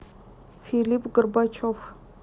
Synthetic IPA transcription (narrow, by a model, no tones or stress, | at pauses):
filipɡɨrbat͡ʃʰof